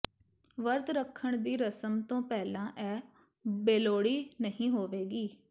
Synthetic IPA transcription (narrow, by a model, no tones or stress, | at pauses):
ʋəɾt̪ɾəkʰːəɳ̃d̪iːɾəsəmt̪õːpɛːlãːʔɛː | beːloːɽiːnəɦĩːɦoːʋeːɡiː